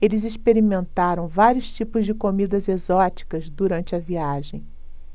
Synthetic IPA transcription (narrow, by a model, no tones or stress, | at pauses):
elɪzispeɾimẽnt̪aɾɐ̃w̃vaɾijʊst͡ʃipʊzd͡ʒɪkomid̪ɐzezɔt͡ʃi̥kɐzd̪uɾɐ̃nt͡ʃɪɐviaʒẽj̃